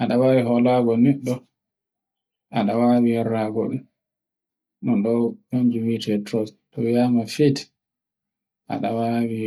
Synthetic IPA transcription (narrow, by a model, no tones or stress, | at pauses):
ʔaɗawawiɦɔlaɡɔnɛɗːɔ | aɗawawiɛɾaɡɔɗum | nɔnɗɔpaɲd͡ʒuwitʰɛtɾɔstɔwjamafet | ʔa̰ɗawawi